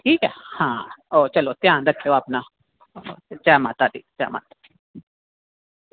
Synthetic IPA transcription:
kiːkɛhãːot͡ʃəlot̪j̃ãːnd̪əkʰeoapna | t͡ʃɛːmãt̪ad̪it͡ʃɛ̰ːma̰t̪

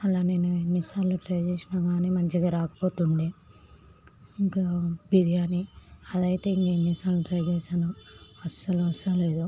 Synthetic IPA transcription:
ɐlaːneːnuenːisaːluʈɾɐjd͡ʒeːsinaːɡaːniːmɐɲt͡ʃiɡaːɾaːkɐ̥poːt̪uɳɖeː | iŋkabiɾijaːniɐd̪ɐjt̪e̞ːiŋkɐinːisaːluʈɾɐjd͡ʒeːsaːnuɐsɐluʋɐsɐleːd̪u

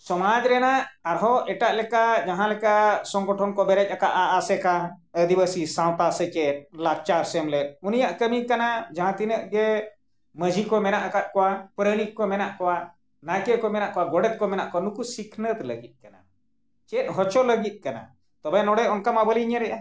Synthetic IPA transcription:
sɔmad͡ʒɾɛnaʔaɾɦɔɛʈaʔlɛkad͡ʒaɦãlɛkasɔŋɡɔʈʰɔnkɔbɛɾɛc̚ˀakaʔaʔasɛkaəd̪ibəsisãw̃t̪asɛt͡ʃɛt̪̚laɾt͡ʃaɾsɛmlɛt̪̚unijaʔkəmikanad͡ʒaɦãt̪inəʔɡɛ | məd͡ʒʱikɔmɛnaʔakat̪̚kɔwapɾənikːɔmɛnaʔkɔwa | najkɛkɔmɛnaʔkɔwaɡɔɽɛt̪̚kɔmɛnaʔkɔanukusikʰnət̪ləɡit̪̚ˀkana̰ | t͡ʃɛt̪̚ˀɦɔt͡ʃɔləɡit̪̚ˀkana̰ | t̪ɔbɛnɔɽɛɔnkamabəliɲəɾɛʔa

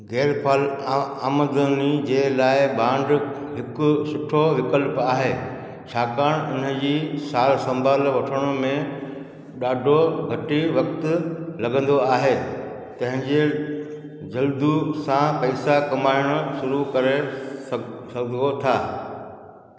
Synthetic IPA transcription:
ɡɛːɾpʰaːlaːməd̪ənid͡ʑeːlaːɪbãːɳɖ | ɦɪkʊsʊʈʰoʋɪkəlpaːɦeː | t͡ɕʰaːkaːɽ̃ʊnə̆d͡ʑiːsaːlsɐ̃mbʱaːlʋɐʈʰəɽ̃ʊ̆mẽ | ɗaːɖʱoɡʱɐʈiʋɐkt̪lɐɡə̃nd̪oaːɦeː | t̪ɐ̃ɦɪ̃ɲd͡ʑe | d͡ʑɐld̪usãpɐɪsakɐmaːɪɽ̃ʊ̆ʃʊɾukɐɾe | sɐɡə̃d̪ot̪ʰaː

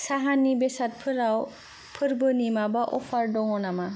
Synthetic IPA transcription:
saɦanibesat̚pʰɯɾaw | pʰɯɾbɯnimabaʔɔpʰaɾdɔŋɔnama

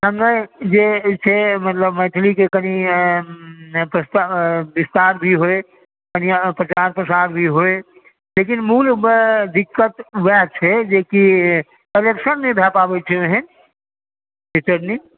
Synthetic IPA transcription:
ɦəmnəd͡ʒet͡ʃʰemət̪ləbməʈ̪ʰlikekəni | pɾəst̪abist̪aːɾbʱiɦoe | kənipɾət͡ʃaɾpɾəsaːɾbʱiɦoe | leːkinmuːld̪ikːət̪wɛt͡ʃʰɛd͡ʒeki | kəlekʃənmebʱɛpabet͡ʃʰeeɦɛn | bitəɾni

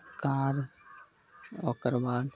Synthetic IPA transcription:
kaːɾ | oːkəɾbaːl

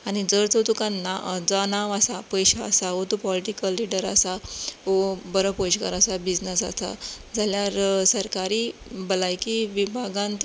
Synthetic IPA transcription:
añid͡zəɾt͡sət̪ukanːad͡zanaʋasapəjɕa̰ːsaɦot̪upɔliʈikəlːiɽəɾa̰saɦobəɾəpojɕkəɾasabid͡znəsa̰sa̰d͡zaljaɾsəɾkaɾiːbəlajkiʋibʱaɡãnt̪

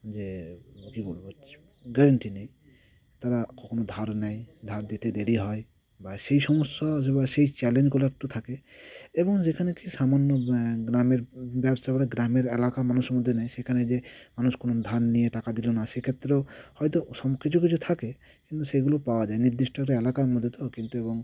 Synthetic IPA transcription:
d͡ʒekibolbɔ̥ | ɡɛɾɛɳʈinaj | t̪aɾakɔkonod̪ʱaɾnajd̪ʱaɾd̪it̪ed̪eɾiɦɔj | baseisɔmɔsːasebasejt͡ʃɛlend͡ʒkɔlakʈut̪ʰakeebɔŋd͡ʒekʰanekisamanːɔɡɾameɾbjabsabaɾeɡɾameɾelakamanusmɔd̪ʱːenajsekʰaned͡ʒemanuskonod̪ʱanːijeʈakad̪ilonasekʰet̪ːɾehɔjt̪ɔsɔmkit͡ʃʰuk̬it͡ʃʰut̪ʰake | kint̪useɡulopawad͡ʒaeniɾd̪iʃʈɔɾeelakaɾmɔd̪ʱːjet̪ɔkint̪uebɔŋ

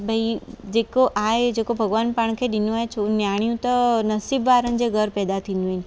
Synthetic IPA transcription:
bʱəid͡ʒekoʔajed͡ʒekobʱəɡʋanpaɳ̃kʰeɖinũajt͡ʃʰonjaɽ̃jũt̪ɔnəsibʋaɾənd͡ʒeɡʱəɾpɛd̪at̪ʰinuin

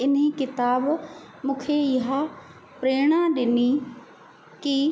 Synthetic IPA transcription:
ɪnĩːkɪt̪aːb | mʊkʰeːjɦa | pɾeːɽ̃ãːɗɪniː | ki

